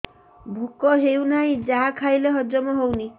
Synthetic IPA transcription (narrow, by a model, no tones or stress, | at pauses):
bʱukɔɦewnaĩd͡ʒaɦakʰajleɦɔd͡ʒɔmɔɦowni